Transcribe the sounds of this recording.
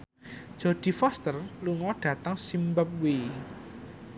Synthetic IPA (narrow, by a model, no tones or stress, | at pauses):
d̥ʒ̥o̤d̪̥i̤fɔst̪ərluŋɔɖ̥ä̤t̪əŋsimbəp̚wi